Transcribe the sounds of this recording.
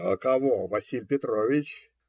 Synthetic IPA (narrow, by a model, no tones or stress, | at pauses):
kɐvovɐsʲilʲpʲɪt̪ɾovʲɪt͡ɕ